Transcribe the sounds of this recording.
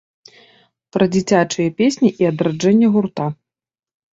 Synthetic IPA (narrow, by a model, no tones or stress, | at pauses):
pɾɐd͡zʲit͡sʲat͡ʂɨjɐpʲesʲnʲiʔiɐd̪ɾad͡ʐɛnʲːɛɣurt̪a